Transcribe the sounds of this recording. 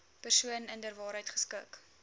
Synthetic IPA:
pərsuənəndərvɑːɾɦəjtχə̥skuək

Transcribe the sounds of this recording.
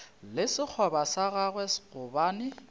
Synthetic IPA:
lɪsɪk͡xʰɔbasaɣaɣwɛsɣʊbaːnɪ

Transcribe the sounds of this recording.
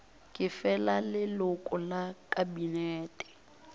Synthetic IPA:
kʼɪfɛlalɪlʊkʼɔlakʼabinɛːtʼɛ̥

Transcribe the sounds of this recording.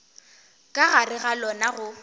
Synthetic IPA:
kʼaɣarɪɣalɔnaɣʊ

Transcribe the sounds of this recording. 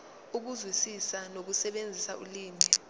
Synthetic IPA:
uk̬uzwisisanok̬usɛɓend͡zʱisauliːmi

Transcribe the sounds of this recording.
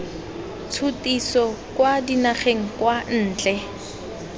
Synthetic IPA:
t͡sʰutisɔkwadinaχeŋ̩kwan̩ːt͡ɬʼɛ

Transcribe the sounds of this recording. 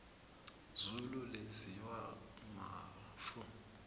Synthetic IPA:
zululeziwama̰ | fʊ

